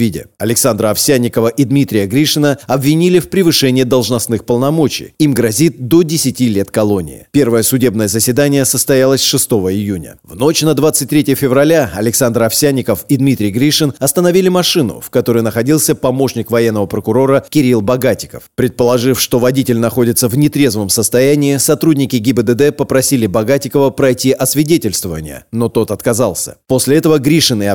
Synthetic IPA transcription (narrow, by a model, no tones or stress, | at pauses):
idʲɪ̰ɐlʲɪksand̪ɾəɐfsʲanʲːɪkəvəʔid̪mʲit̪ɾʲɪjəɡɾʲiʂɨnəɐbvʲɪnʲilʲɪfpɾʲɪvɨʂɛnʲɪjəd̪əlˠʐnɐsnɨxpəlˠnɐmo̞t͡ɕɪ̰jimɡɾɐzʲit̪̚d̪o̞dʲɪsʲɪtʲilʲe̞t̪kɐlˠo̞nʲɪ̰ɪ̰pʲe̞rvəjəsʊdʲe̞bnəjəzəsʲɪd̪anʲɪjəsəst̪ɐjalˠəsʲʂɨst̪o̞vəɪjunʲə̰vno̞t͡ɕnəd̪vat̪sɨt̚ʲt̪ɾʲetʲɪjəfʲɪvrɐlʲaɐlʲɪksand̪ɾɐfsʲænʲːɪkəfid̪mʲit̪ɾʲɪjɡɾʲiʂɨnɐst̪ənɐvʲilʲɪmɐʂɨnʊ̰fkɐt̪o̞ɾəjnəxɐdʲilˠsʲəpɐmo̞ʂnʲɪkvɐjenːəvəpɾəkʊɾo̞ɾəkʲɪɾʲilˠbɐɡatʲɪ̥kəfpɾʲɪt̪̚pəlˠɐʐɨfʂt̪o̞vɐdʲitʲɪlʲnɐxo̞dʲɪt̪səvnʲɪt̪ɾʲe̞zvəmsəst̪ɐjænʲɪːsɐt̪ɾudʲnʲɪkʲɪɡʲɪbəd̪əd̪ɛpəpɾɐsʲilʲɪbɐɡatʲɪkəvəpɾɐjtʲiʔɐsvʲɪdʲetʲɪlʲst̪vəvə̰nʲɪ̰jə̰no̞t̪o̞t̪ɐt̪kɐzɑlˠsʲə̰po̞sʲlʲɪɛt̪əvəɡɾʲiʂɨnɪ